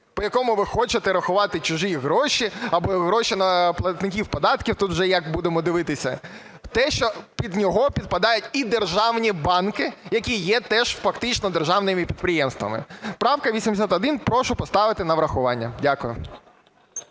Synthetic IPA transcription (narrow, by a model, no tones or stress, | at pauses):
pɔjɐkɔmʊʋɪxɔt͡ʃɪt̪ɛɾɐxʊʋɑt̪ɪt͡ʃʊʒiɦɾɔʃiɐbɔɦɾɔʃinɐplˠɐt̪nɪkʲiwpɔd̪ɑt̪kʲiwt̪ut̪wʒɛjɐkbud̪emɔd̪ɪʋɪt̪ɪsʲɐ̰ | t̪ɛʃt͡ʃɔpʲid̪nʲɔɦɔpʲid̪̚pɐd̪ɑjʊtʲid̪erʒɑwnʲibɑnkɪjɐkʲijɛt̪ɛʒ̥fɐkt̪ɪt͡ʃnɔd̪erʒɑwnɪmɪpʲid̪̚pɾɪjɛmst̪ʋɐ̰mɪ̰pɾɑwkɐʋʲisʲimd̪ɪsʲat̪ɔd̪ɪnpɾɔʃʊpɔst̪ɑʋɪt̪ɪnɐʋɾɐxʊʋɑnʲːɐdʲakʊjʊ